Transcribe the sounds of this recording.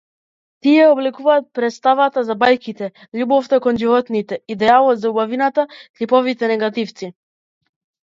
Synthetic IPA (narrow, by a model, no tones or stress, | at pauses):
t̪iɛɔblɛkuvaːt̪̚pɾɛt̪st̪avat̪azabajkit̪ɛ | ʎubɔft̪akɔnʒivɔt̪nit̪ɛid̪ɛalˠɔt̪zaubavinat̪ak̪lipɔvit̪ɛnɛɡat̪ift̪si